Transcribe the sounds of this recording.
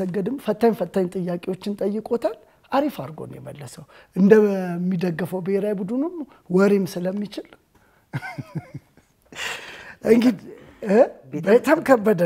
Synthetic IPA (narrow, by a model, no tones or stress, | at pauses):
əɡːəd̪ɨmfət̪ʰːaɲfət̪ʰʼːaɲːt̪ʼɨjːakʼewo̞t͡ʃːɪnt̪ʼəjːɨkʼo̞t̪ʰal | ʔaɾifaɾɡo̞̰njɛ̰məlːəsəw | ʔɨnd̪əmːid̪əɡːɨfəwbəheɾajbud̪unum | wɔɾemsɨləmːit͡ʃɪl | ʔɨŋɡɨd̪ | bet̪ʰamkʰəbːəd̪ə